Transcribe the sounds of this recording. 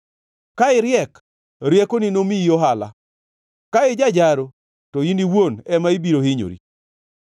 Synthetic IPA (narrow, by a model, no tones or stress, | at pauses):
kaɪɾjɛk | ɾjɛkoninomiijoɦala̰ | kaɪd͡ʒad͡ʒaɾo | tɔiniwonɛmaibiɾohɪɲo̰ɾḭ